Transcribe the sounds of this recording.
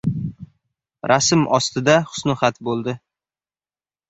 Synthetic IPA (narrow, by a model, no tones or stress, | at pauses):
ɾasɪmʔɒst̪ɪd̪aχʊ̥snʊχat̪bolˠd̪ɪ